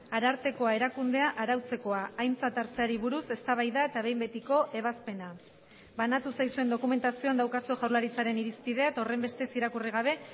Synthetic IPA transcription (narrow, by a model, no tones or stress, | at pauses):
aɾaɾt̪e̞ko̞ae̞ɾakund̪e̞aʔaɾawt͡se̞ko̞aːjnt͡sat̪aɾt͡seaɾiβ̞uɾuse̞st̪aβ̞ajðae̞t̪aβ̞e̞jmbe̞t̪iko̞ʔe̞β̞aspe̞na | banat̪usajsue̞nd̪o̞kume̞nt̪asio̞and̪awkasue̞ʝawɾlaɾit͡saɾe̞niɾispið̞e̞at̪o̞re̞mbe̞st̪e̞siɾakuriɣaβ̞e̞